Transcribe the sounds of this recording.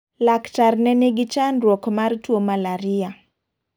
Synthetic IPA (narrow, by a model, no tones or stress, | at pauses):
laktarnɛneɡɪt͡ʃanɾwɔkmartwomalaɾɪa